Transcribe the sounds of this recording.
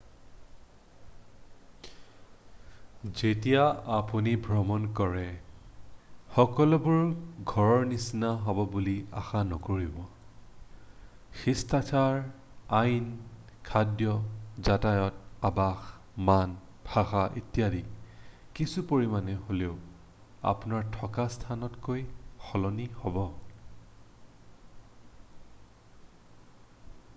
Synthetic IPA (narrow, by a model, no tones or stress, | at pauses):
zetijaapunibʱɹɔmɔnkɔɹɛ | xɔkɔlɔbuɹɡʱɔɹɔɹnisinaɦɔbɔbulia̰xanɔkoɹibɔ | xistatʰaɹ | ajn | kʰadjɔzatajɔtabax | man | bʱaxaʔḛtijadi | kisupoɹimanɛɦoleʊ | a̰punaɹtʰɔkastʰanɔtkojxɔlɔnihɔbɔ